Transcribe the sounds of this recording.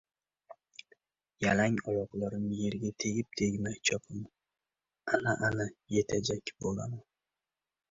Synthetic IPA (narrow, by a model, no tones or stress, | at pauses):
jalaŋɒwɒqlˠaɾɪmje̞ɾɡʲat̪ʰe̞ɡʲɪp̚t̪ʰeɡʲmajt͡ʃʰɒpʰɪm | anaʔanaje̞t̪ʰad͡ʒakʲbola̰man